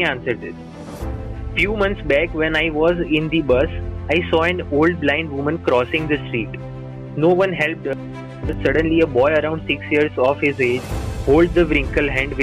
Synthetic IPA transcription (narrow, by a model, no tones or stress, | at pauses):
iãnsəɾɖ̚d̪ɪs | fjuːmʌ̃nt̪sbækʋɛ̃naɪʋɔːzɪ̃nd̪ibʌsaɪsɔːɛ̃noːlɖ̚blãɪ̃ɳɖʋʊ̃mə̃nkɾɔːsɪ̃ŋd̪əsʈɾiːʈ | noːʋʌ̃nɦɛlp̚ʈə | sʌɖə̃nliəbɔɪəɾãʊ̃ɳɖsɪksjiəɾzɔːfhɪzeːd͡ʒhoːlɖ̚d̪əʋɾɪ̃ŋkəlɦæ̃ɳɖʋɪ